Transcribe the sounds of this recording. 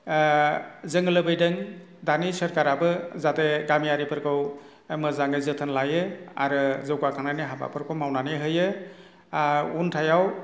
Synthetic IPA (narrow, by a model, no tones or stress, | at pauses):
zɯŋɯlɯbɯjdɯŋ | danisəɾkaɾabɯzateɡamijaɾipʰɯɾkʰɯw | mɯzaŋɯzɯtʰɯnlajɯa̰ɾɯzɯɡakʰananiɦaba̰pʰɯɾkʰɯwmawnaneɦɯjɯ | untʰajaw